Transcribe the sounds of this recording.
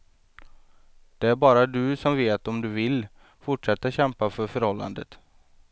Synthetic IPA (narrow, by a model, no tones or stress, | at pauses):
d̪̥ɛæɾbɑːɾad̪ɵsɔmveːt̪ɔmd̪ɵvɪlː | fʊʈʂɛt̪ːaɕɛmpafœɾfœɾhɔlːa̰nd̪ət̪